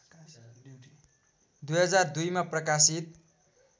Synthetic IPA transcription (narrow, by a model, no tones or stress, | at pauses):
d̪ujɦʌd͡zard̪ujmaprʌkasit̪̚